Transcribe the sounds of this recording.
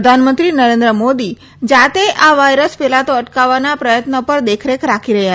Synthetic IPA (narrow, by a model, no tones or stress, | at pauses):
d̪ʱanmənt̪ɾinəɾẽnd̪ɾəmod̪i | d͡ʒat̪eʔaʋajɾəspɛlat̪oəʈkaʋanapɾəjət̪nəpəɾd̪ekʰɾekɾakʰiɾəɦja